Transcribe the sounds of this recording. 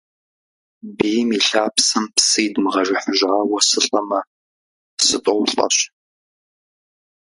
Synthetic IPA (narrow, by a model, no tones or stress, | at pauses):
bijmiɬaːpsɐmpsɨjdmɨʁɐʒʷɪħʊʒʕaːwɐsɨɬʼɐmɐ | sɨtʼowɬʼɐ̰ɕ